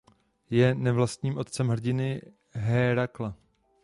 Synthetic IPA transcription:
jɛnɛvlast̪ɲiːmʔo̞t̪̚t͡sɛmɦr̩ɟɪnɪ | ɦɛːɾakla

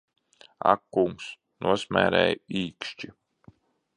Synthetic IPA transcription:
a̰kːuŋks | nʔuɔsmʲæ̰ːɾɛ̰jiːkʃt͡ʃi

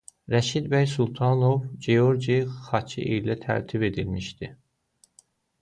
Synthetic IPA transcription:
ɾæʃid̪bæjsulˠt̪ʰɑnovd͡ʒeo̞ɾd͡ʒiχɑt͡ʃʰiʔijlæt̪ʰæ̰ɾt̪ʰibe̞d̪ilmiʃd̪̥i

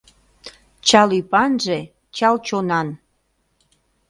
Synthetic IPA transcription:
t͡ɕɑlypɑnʒe | t͡ɕɑlt͡ɕonɑn

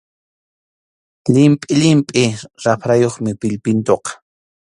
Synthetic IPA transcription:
ʎɪmpʼɪʎɪmpʼɪɾapɾajoχmɪpɪʎpɪnt̪oqɑ̥

